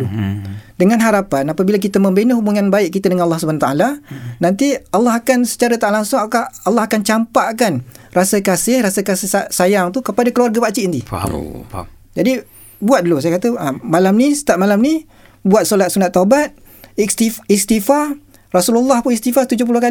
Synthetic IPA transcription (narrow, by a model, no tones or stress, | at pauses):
dəŋanɦaɾapanapabilak̬it̪amə̃mbenəhubuŋanbaɪʔkit̪adəŋanɑlːɑhsubanat̪aalanant̪ialːɑɦakansə̥t͡ʃaɾat̪aʔalaŋsʊŋakaalːɑhakant͡ʃampaʔkanrasəkasɪhrasəkasɪhsajaŋt̪ukəpadakəluarɡapat͡ʃiʔind̪ḭ | d͡ʒadi | buat̪̚dəlusajakat̪əʔəmalamnisə̥t̪ap̚malamni | buat̪̚sɔlat̪̚sunat̪ːaubat̪̚ | ist̪iist̪ifa | rasululːɑhpunist̪ifaht̪ud͡ʒʊhp̬ulʊhka